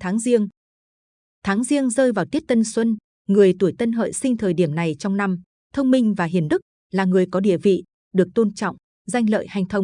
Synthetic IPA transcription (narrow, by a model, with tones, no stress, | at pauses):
t̪ʰaː˨˦ŋzi˧əŋ | t̪ʰaː˨˦ŋzi˧əŋzəː˧jvaː˨˩wt̪i˦˥ət̚t̪ə˧nswə˧n | ŋɨ˨˩əjt̪u˧˩əjt̪ə˧nɦə̰ː˧˨jsï˧ŋ̟t̪ʰəː˨˩jɗi˧˩əmna˨˩jt͡ɕɔ˧wŋ͡mna˧m | t̪ʰə˧wŋ͡mmï˧ŋ̟vaː˨˩ɦi˨˩ənɗɨ˦˥k̚ | laː˨˩ŋɨ˨˩əjkɔ˨˦ɗḭ˧˨əvḭ˧˨ | ɗɨ˨˩ək̚t̪o˧nt͡ɕɔ̰˧˨wŋ͡m | za˧jŋ̟lə̰ː˧˨jha˨˩jŋ̟t̪ʰə˧wŋ͡m